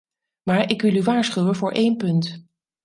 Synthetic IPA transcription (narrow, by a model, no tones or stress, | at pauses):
maːɹʔɪkʋɪlˠyʋaːɹsχywənvʊːɹʔejnpɵnt